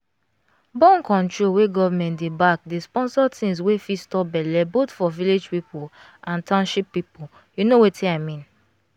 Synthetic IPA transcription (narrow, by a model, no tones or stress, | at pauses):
bɔ̃nkɔ̃ntɹoweɡɔvamɛ̃ntdebak̚despɔ̃nsɔtʰĩns̬wefistɔbɛlɛbotfɔviled͡ʒpipo | ãntãʊ̃nʃipːipo | junowetʰiaɪmĩn